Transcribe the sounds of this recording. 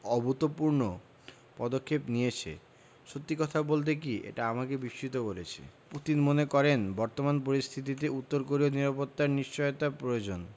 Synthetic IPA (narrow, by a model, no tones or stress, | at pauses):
ɔbʱut̪opuɾno | pɔd̪okʰːepnijet͡ɕʰḛ | ʃot̪ːikɔt̪ʰabolt̪̬ek̬iʔḛʈaamakebiʃt͡ɕʰit̪okoɾet͡ɕʰḛput̪inmonekɔɾenbɔɾt̪omanp̬oɾist̪ʰit̪it̪̬eut̪ːoɾkoɾioniɾapot̪ːaɾniʃt͡ɕɔjot̪apɾood͡ʑon